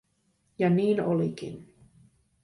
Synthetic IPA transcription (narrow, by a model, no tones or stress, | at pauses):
jɑniːnolikḭn